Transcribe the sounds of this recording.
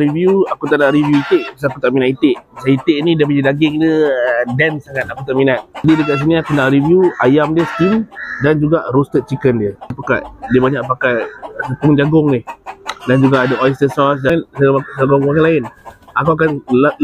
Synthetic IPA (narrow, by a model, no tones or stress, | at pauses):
ɾivjuakut̪aʔnaʔɾivjuit̪ɪʔas̬akut̪aʔminaʔit̪ɪʔsait̪ɪʔnidiəpid͡ʒədaɡɪŋdədɛnsaŋat̪̚akut̪aʔminat̪̚adidəkaʔs̬iniakunaʔɾivjuajamdiəskimdand͡ʒuɡaʔɾost̪ət̪̚t͡ʃikəndiəpaka̰ʔdiəbaɲaʔpakaʔ̚səpuŋd͡ʒaɡʊŋɪhdand͡ʒuɡaʔːdəʔaist̪əsɔs̬dansasaɡʊŋpakalaɪnakawak̬an